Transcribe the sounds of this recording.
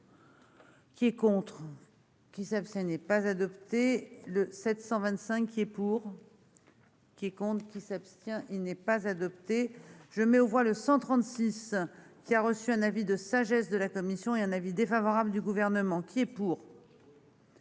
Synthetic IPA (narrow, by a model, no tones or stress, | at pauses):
kʲiɛkɔ̃t̪χ | kʲisapst̪jɛ̃inɛpazad̪ɔpt̪eləsɛt̪sɑ̃vɛ̃t̪sɛ̃kːʲiɛpuːʁ | kʲiɛkɔ̃t̪χəkʲisapst̪jɛ̃ʔilnɛpazad̪ɔpt̪eʒ̥əmɛovwaləsɑ̃t̪χɑ̃t̪siskʲiaʁəsyɛ̃navid̪əsaʒɛsd̪əlakɔmisjɔ̃eɛ̃navid̪efavɔʁabləd̪yɡuvɛʁnəmɑ̃kʲiɛpuːʁ